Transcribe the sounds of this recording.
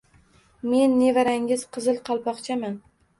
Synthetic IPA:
me̞nːe̞vaɾaŋɪz̥qʰɨzɨlˠqʰɒlˠpʰɒqt͡ʃʰaman

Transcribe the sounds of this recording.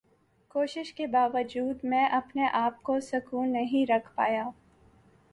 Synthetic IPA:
koːʃɪʃkebaːʋəd͡ʒuːd̪mɛ̃ːʔɐpneʔaːp̚kosɐkuːnːɐɦĩɾɐkʰpaːjaː

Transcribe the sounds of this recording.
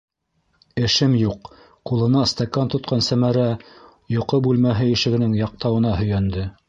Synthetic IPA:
ɘ̆ʃɘmjuq | qulˠɤ̆nɑst̪ɑkant̪ŏt̪̚qʰɑnsæmæɾæ | jŏqɤbʉlmæɦɘɘ̆ʃɘ̆ɡɘ̆nɘŋjɑq̚t̪ɑwɤ̆nɑɦɵ̆jænd̪ɘ

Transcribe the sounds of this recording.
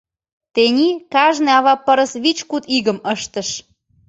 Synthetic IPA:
t̪enʲikɑʒneɑβɑpəɾəsβit͡ɕkut̪iɣəməʃt̪ə̆ʃ

